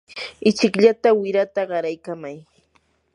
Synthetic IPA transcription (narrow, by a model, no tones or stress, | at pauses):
ɪt͡ʃɪkʎat̪awɪɾat̪aɢɑɾajkamaj